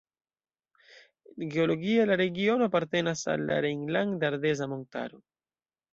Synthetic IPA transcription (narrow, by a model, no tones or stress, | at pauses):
ɡeo̞lo̞ɡialaɾe̞ɡio̞no̞apaɾte̞nasa̰lːa̰ɾejŋlaŋdaɾde̞zamo̞nta̰ɾo̞